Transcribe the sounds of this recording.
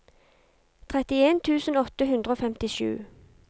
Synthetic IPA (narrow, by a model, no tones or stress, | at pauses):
t̪ʰʁɛt̪ɪeːnt̪ʰʉːsənɔt̪əhʉnd̪ʁəoːfɛmt̪ɪʃʉ̰ː